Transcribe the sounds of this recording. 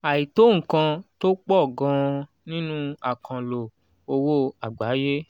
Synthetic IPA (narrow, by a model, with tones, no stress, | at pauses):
a˨i˨to˦ŋ̩̃˨kã˧to˦k͡pɔ˦˨ɡã˨˧ | nĩ˦nũ˦a˦˨kʰã˨lo˨ | o˧wo˦a˨ɡ͡ba˨˦je˦